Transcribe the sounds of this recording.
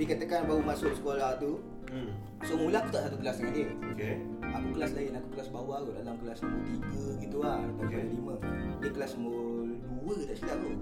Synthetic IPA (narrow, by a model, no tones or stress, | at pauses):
ikat̪akanbaumasʊʔsə̥kolaht̪u | somulakut̪aʔsat̪ukəlaslaɦɪnokeakukəlaslaɪnakukəlasbawakodalamkəlasmut̪iɡəɡit̪uat̪aaalimədəkəlasmoluwət̪aʔsit̪aʔt̪u